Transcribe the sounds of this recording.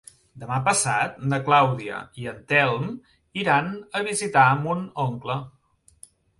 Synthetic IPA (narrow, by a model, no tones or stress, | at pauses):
d̪əmapəsat̪̚nəklawðiə̰iənt̪ɛlˠm | iɾanəβ̞izit̪aəmunoŋklə